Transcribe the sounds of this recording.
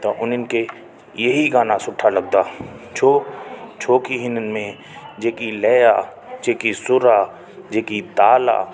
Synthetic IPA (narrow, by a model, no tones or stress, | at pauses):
t̪oʔʊnɪnke | jeɦiɡaːnasʊʈʰːaləɡ̚d̪aː | t͡ʃʰoːt͡ʃʰoːkiɦɪnənmẽ | d͡ʒeːkilɛːja | t͡ʃeːkisʊɾaː | d͡ʒeːkit̪aːla̰ː